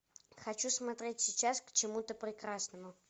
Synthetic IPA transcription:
xɐt͡ɕusmɐt̪ɾʲetʲsʲɪt͡ɕaskt͡ɕɪmut̪əpɾʲɪkɾasnəmʊ

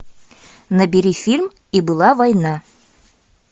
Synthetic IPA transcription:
nɐbiɾifʲilʲm | ibulˠɑvɒjnɑ

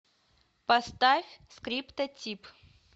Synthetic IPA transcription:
pɐst̪afʲskɾʲipt̪ɐtʲip

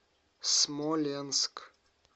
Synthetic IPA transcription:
smɔlʲensk

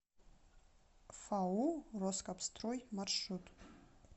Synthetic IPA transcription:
fauroskapst̪ʰrojmarʂut̪ʼ

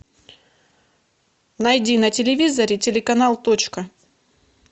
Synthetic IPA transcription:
nɐjdʲinɐtʲɪlʲɪvʲizɐɾʲɪtʲɪlʲɪkɐnalˠt̪ot͡ɕkə

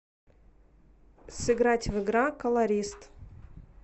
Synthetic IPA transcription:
sɨɡɾatʲvɨɡɾakəlˠɐɾʲist̪

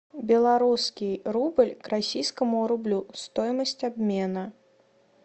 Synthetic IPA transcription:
bʲɛlˠaɾuskʲiɾubɨlʲkɾasʲijskɐmuɾublʲust̪ɔjmɐsʲt͡sʲabʲmʲɛnɐ

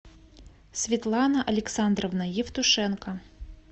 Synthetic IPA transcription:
sʲvʲit̪lˠɑnɐʔɐlʲɛksand̪rɔvnɐjift̪ʊʂɛnkɐ

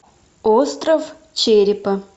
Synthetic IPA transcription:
ost̪rəf | t͡ɕeɾʲɪpə

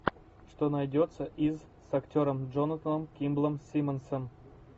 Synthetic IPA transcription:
ʂt̪onajdʲot̪səʔiz | saktʲoɾəmd͡ʒonɐt̪ənəmkʲimblˠəmsʲimənsəm

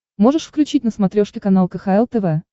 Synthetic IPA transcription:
mo̞ʐɨʂfklʲʉt͡ɕitʲnəsmɐt̪ɾʲo̞ʂkʲɪkɐnalˠkəxaɛlˠt̪ɛvɛ

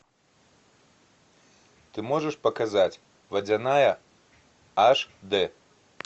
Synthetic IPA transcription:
t̪ɨmɔʐɛʂpɐkazat͡sʲ | vɐd͡zʲanajɐ | aʂd̪ɛ

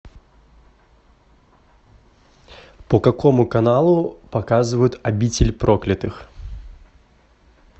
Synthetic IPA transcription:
pəkakomʊkɐnalˠʊpɐkazɨvəjʊt̪ɐbʲit͡sʲɪlʲpɾoklʲɪt̪ɨx

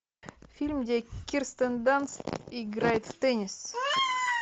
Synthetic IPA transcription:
fʲilʲmd̪ʲekʲirst̪ənd̪ansiɡrajt̪ft̪enʲis

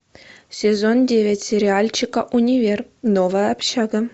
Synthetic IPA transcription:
sʲezondʲeʋʲetʲsʲeɾʲialʲt͡ɕikɐʔunʲivʲernoʋəːpɕɑɡə̆

